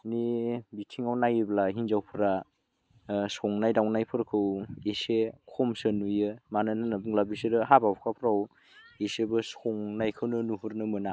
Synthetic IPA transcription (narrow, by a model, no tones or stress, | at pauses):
nibitʰiŋawnajiblaɦinzawpʰɯɾa | sɔŋnajdawnajpʰɯɾkʰɯwesekʰɔmsɯnujɯmanɯnanabuŋlabiseɾɯɦabawpʰkʰapʰɾaw | esebɯsɔŋnajkʰɯwnɯnuɦuɾnɯmɯna